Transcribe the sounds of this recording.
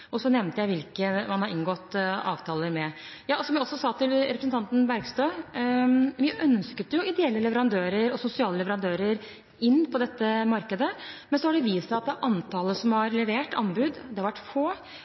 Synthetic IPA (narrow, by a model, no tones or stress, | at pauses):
ɔsɔnɛʋnt̪əjæɪʋɪlkəmɑnhɑɾɪnɡɔt̪ːɑ̰ːʋt̪ʰɑːləɾmɛ | jɑːɔsɔmjæɪɔsːɔsɑːt̪ʰɪlɾɛpɾəsnt̪ɑnt̪ən̩bæɾɡst̪øː | ʋɪʔœnskət̪ɛjʊɪd̪ɛɛlːəlɛʋəɾɑnd̪øːɾəɾɔsʊsɪɑːləlɛʋəɾɑnd̪øːɾəɾ | ɪnːpʰɔd̪ɛt̪ːəmɑɾkəd̪əmɛnsɔhɑɖɛʋiːsɑɑt̪̚d̪ɛæɾʔɑnt̪ʰɑːləsɔmhɑɾlɛʋeːʈɑ̰nbʉd̪d̪ɛhɑɾʋæʈːfoː